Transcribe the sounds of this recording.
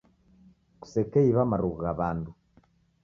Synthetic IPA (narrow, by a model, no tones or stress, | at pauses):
ku̥sekeiβamaɾuɣɣaβaːndu